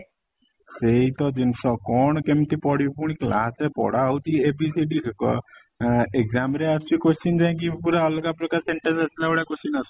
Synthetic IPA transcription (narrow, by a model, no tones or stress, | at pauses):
seit̪ɔd͡ʒinsɔkɔɳ̃kemt̪ipɔɽjupuɽ̃ikla̰sepɔ̰ɽawt̪iebisiɖikkɔ̰ | ekd͡zamɾeast͡ʃikost͡ʃind͡ʒãk̬ipuɾaɔlɔkapɾɔkaɾseɳʈənsasilauɽakosinas